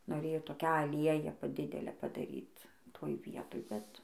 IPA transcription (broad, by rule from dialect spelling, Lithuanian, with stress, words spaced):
noːˈrʲeːjoː toːˈkʲæː ɐˈlʲiɛjæː ˈpɐ ˈdʲɪdʲɛlʲæː pɐdɐˈrʲiːt ˈtoːj ˈʋʲiɛtoːj ˈbʲɛt